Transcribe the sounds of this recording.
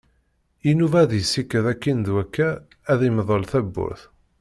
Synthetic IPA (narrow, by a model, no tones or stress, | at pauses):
inuvæðjəsːikːæðækːind̪wækːæː | ðimðˤəlθæbːʊ̰θ